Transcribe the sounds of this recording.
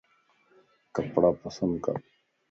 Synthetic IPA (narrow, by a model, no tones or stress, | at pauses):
kɐpɽaːpɐsɐnd̪̚ka̰